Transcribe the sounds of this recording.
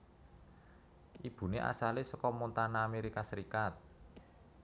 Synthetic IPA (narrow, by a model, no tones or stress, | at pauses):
ʔib̥ṳneʔa̰salesɔkɔmont̪anaːmeɾikasəɾikat̪̚